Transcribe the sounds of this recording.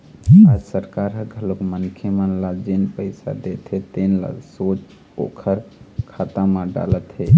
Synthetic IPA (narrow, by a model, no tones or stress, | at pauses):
ad͡ʒsəɾkaɾɦəɡʱəlokmənkʰemənlad͡ʒenpəɪsa̰d̪et̪ɦet̪enla̰sot͡ʃ | o̰kʰəɾkʰat̪amaɖa̰lət̪ɦe